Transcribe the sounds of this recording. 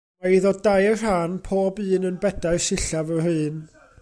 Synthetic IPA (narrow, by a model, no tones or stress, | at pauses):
aiðɔdajər̥hanpʰoːbɨːnənbɛdaɨsɪɬavəɦɨːn